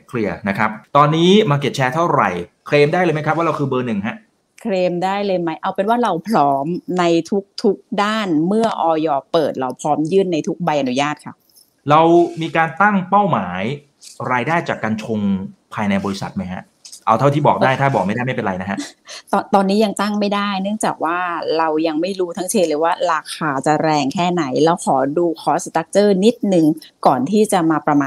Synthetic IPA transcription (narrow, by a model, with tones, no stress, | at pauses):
kʰli˧ɐna˦˥kʰa˦˥p̚t̪ɔː˧nːiː˦˥maː˧ke˨˩p̚t͡ɕʰɛː˧t̪ʰa˥˩wɾa̰˨˩j | kʰɾeː˧mdaː˥˩jlɤː˧m˦˥kʰa˦˥p̚wa˥ɾa˧wkʰɯː˧bɤː˧nɯ˨˩ŋɦa˦˥ʔ | kʰleː˧mdaː˥˩jlɤː˧jma˦˥jʔa˧wpe˧nwaː˥˩ɾa˧wpʰɾɔː˦˥mna˧jt̪ʰu˦˥k̚t̪ʰu˦˥k̚daː˥˩nmɯ˥˩ɐʔɔː˧jɔː˧pɤː˨˩t̪̚ɾa˧wpʰɾɔː˦˥mjɯː˥˩nːa˧jt̪ʰu˦˥k̚ba˧jʔa˧nu˦˥jaː˥˩t̪̚kʰa˦˥p̚ | ɾa˧wmiː˧kaː˧nt̪a˥˩ŋpa˥˩wmaː˩˦j | ɾaː˧jdaː˥˩jt͡ɕaː˨˩kːa˧nt͡ɕʰo˧ŋpʰaː˧jna˧jbɔː˧ɾi˦sa̰˨˩t̪̚ma˦˥jkʰa̰˦˥ʔ | ʔa˧wt̪ʰa˥˩t̪ʰiː˥˩bɔː˨˩k̚daː˥˩jt̪ʰaː˥˩bɔː˨˩k̚ma˥˩jaː˥˩ma˥˩pe˧nɾa˧jna˦˥kʰa˦˥t̪ɔː˧nt̪ɔː˧nːiː˦˥ja˧ŋt̪a˥˩ŋma˥˩jda˥˩jnɯ˥˩əŋt͡ɕaː˨˩k̚waː˥˩ɾa˧wja˧ŋma˥˩jɾuː˦˥t̪ʰa˦˥ŋt͡ɕʰeː˧lɯː˨˩˦waː˥˩ɾaː˧kʰaː˧˩t͡ɕa˨˩ɾɛː˧ŋkʰɛː˥˩na˩˦jlɛː˦˥wkʰɔː˩˦duː˧kʰɔː˦˥st̪a˦˥k̚t͡ɕɤː˥˩ni˦˥t̪̚nɯ˨˩ŋkɔː˨˩nt̪ʰiː˥˩t͡ɕa˨˩ʔmaː˧pɾa˧maː˧